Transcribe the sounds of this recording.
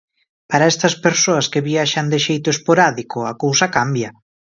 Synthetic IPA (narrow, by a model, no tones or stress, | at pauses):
paɾaɛst̪ɐspeɾsoɐskeβiaʃand̪eʃejt̪oespoɾaðikoakowsɐkambja